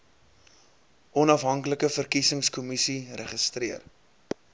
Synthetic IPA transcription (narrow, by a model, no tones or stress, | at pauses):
ʔɔnɐfɦɐŋkləkəfərkisəŋskɔmisirəχəstriər